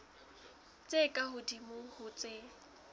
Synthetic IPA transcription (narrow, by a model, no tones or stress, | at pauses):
t͡sʼekʼaɦʊdimʊhʊt͡sʼe